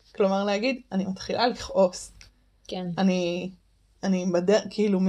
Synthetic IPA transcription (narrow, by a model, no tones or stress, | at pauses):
klo̞maʁlehaɡidanimat̪χilʔaliχʔo̞s | keani | anibedekʰiilum